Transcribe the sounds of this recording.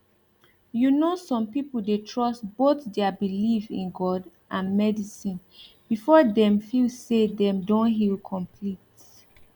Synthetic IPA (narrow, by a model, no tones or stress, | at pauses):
junosɔ̃mpipl̩detʰɹɔsboθdɛəbilifḭ̃nɡɔd | ʔãnmɛdisĩn | b̥ifɔdɛ̃mfilsedɛ̃mdõnɦilkʰɔ̃mpʰlit